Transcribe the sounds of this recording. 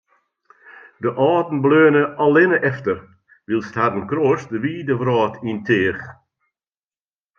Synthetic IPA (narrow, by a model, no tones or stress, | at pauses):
dəʔɑːdn̩bløːnəɔlɪnəʔɛftəɾ | ʋilˠsthadn̩kɾoːsdəʋiːdəvɾɑːtʰintʰɪːx